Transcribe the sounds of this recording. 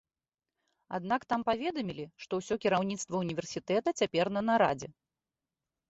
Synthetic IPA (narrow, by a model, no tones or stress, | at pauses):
a̰d̪nakt̪ampavʲɛd̪ɐmʲilʲiʂt̪ɔwsʲɔkʲiɾawnʲit̪st̪vɐunʲivʲɛrsʲit̪ɛt̪ɐt͡sʲapʲɛrnɐnɐɾa̰d͡zʲɛ